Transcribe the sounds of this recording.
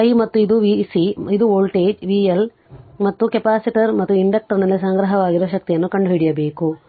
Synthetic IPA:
ɐjmɐt̪ːuid̪uʋisiid̪uoːlʈeːd͡ʒʋiːel | mɐt̪ːukepaːsiʈɐɾmɐt̪ːuiɳɖɐk̚ʈɐɾnɐlːis̬ɐŋɡɾɐɦɐʋaːɡiɾɔʋɐʃɐk̚t̪ijɐnːukɐɳɖuɦiɽijɐbe̞ːku

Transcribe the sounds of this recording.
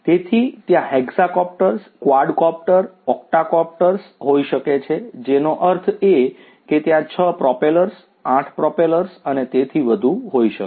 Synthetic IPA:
t̪et̪ʰit̪jãɦeɡsakɔp̚ʈəɾskʋaɾɖkɔp̚ʈəɾɔk̚ʈakɔp̚ʈəɾsɦoiʃəket͡ʃʰed͡ʒenoʔəɾt̪ʰe | ket̪jãt͡ʃʰəpɾɔpeləɾs | ãʈʰpɾɔpeləɾsənet̪et̪ʰiʋəd̪ʱuɦoiʃək

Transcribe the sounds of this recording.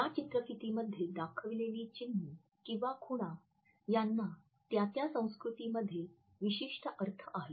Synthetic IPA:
jat͡ɕit̪ɾəkit̪iməd̪ʱːjed̪akʰəʋileliːt͡ɕinːiː | kĩw̃ʋakʰuɽ̃a | janːa | t̪jat̪jasə̃w̃skɾut̪iːməd̪ʱːje | ʋiɕiʂʈəʔəɾt̪ʰəʔaɦe

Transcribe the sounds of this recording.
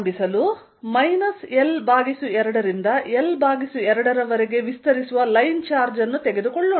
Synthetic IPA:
mbisɐlu | mɐjnɐselbʱaːɡisuɛɾɐɽɐɾind̪ɐɛlbʱaːɡisuɛɾɐɽɐɾɐʋɐɾeɡe̞ʋist̪ɐɾisuʋɐlɐjnt͡ʃaːɾd͡ʒɐnːut̪ɛɡe̞d̪ukɔɭːoː

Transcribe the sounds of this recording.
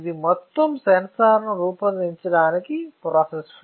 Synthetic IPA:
d̪imɔt̪ːɐmsɐnɐsaːɾnuɾuːpɐnd̪iɲt͡ʃɐɽaːnikipɾaːses

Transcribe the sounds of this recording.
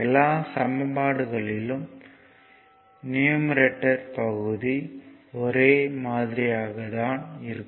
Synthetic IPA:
ɛlːaːsɐmɐbaːɽɯɣɐɭɪlɯm | nɪjɐmɾɛʈːɐɾpɐɣɯðiɔɾeːmaːðɪɾɪjaːɣɐðaːnɪɾɯkː

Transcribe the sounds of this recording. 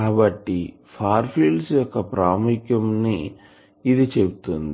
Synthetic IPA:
kaːbɐʈːi | pʰaːɾpʰiːlɖsjɔkːɐpɾaːmukjɐmniː | d̪it͡ʃe̞but̪und̪i

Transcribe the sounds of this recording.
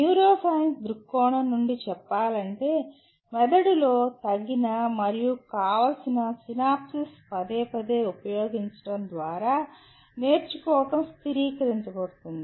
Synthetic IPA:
njuːɾoːsɐjɐnsd̪ɾukːɔːnɐnːuɳɖit͡ʃɛpːaːlɐɳʈe̞ː | mɛd̪ɐɽulo̞ːt̪ɐɡːinɐmɐɾijukaːʋɐlsinɐsinaːpsispɐd̪eːpɐd̪eːupɐjo̞ːɡiɲt͡ʃɐ̥ɽɐnd̪ʋaːɾaː | ne̞ːɾt͡ʃukɔːʋɐʈɐmst̪iɾiːkɐɾiɲt͡ʃɐbɐɽut̪und̪ii

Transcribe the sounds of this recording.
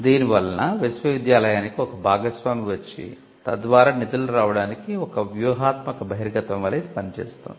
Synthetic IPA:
d̪iːniʋɐlːɐnɐʋisʋɐʋid̪jaːlɐjaːnikiɔkɐbʱaːɡɐsʋaːmiʋɐt͡ʃːḭ | t̪ɐ̰d̪ʋaːɾaːnit̪iluɾaːʋɐɽaːnikiɔkɐʋjuːɦaːt̪mɐkɐbʱɐɦiɾɐɡɐt̪ɐmʋɐlːɐid̪ipɐnit͡ʃɛ̰ːst̪a̰ː

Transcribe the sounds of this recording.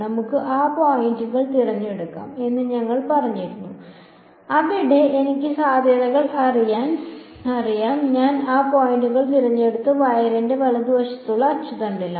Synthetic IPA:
nɐmukːɨʔaːpoːjinduɣɐɭt̪irɐɲːeɽukːa̰ːme̞nːɨɲɐŋːɐɭpɐrɐɲːiɾunːu | ɐʋiɽeʔenikʲːɨsaːd̪ʱjɐðɐɣɐɭɐrijaːn | ɐrijaːnɲaːnaːpoːjinduɣɐɭt̪irɐɲːe̞ɽut̪ːɨʋɐjɾɐnde̞ʋɐɭɐd̪ʋɐɕɐt̪ːuɭːɐːt͡ɕut̪ɐɳɖilːɐ

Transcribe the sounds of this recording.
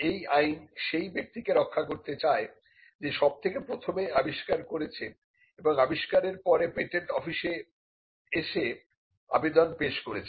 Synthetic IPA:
ejajnʃejbek̚t̪ikeɾɔkʰːakoɾt̪et͡ɕae | d͡ʑeʃɔb̚t̪ʰekepɾot̪ʰomeabiʃkaɾkoɾet͡ɕʰe | eboŋabiʃkaɾeɾpɔɾepeʈeɳʈɔfiʃe | eʃe | a̰bed̪onpeʃkoɾet͡ɕʰe

